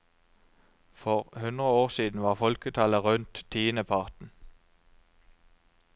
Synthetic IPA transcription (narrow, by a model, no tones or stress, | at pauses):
fɔʁhʉnd̪ʁəoːʁsiːd̪n̩ʋɑːʁfɔlkət̪ʰɑləʁʉnt̪t̪ʰiːnəpʰɑʁt̪n̩